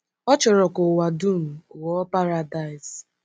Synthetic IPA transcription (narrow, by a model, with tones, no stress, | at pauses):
ɔ˦t͡ʃɔ˨ɾɔ˨kʊ˨wa˨du˦˨m̩˨wɔ˦pa˦ɾa˨da˨ɪ˨s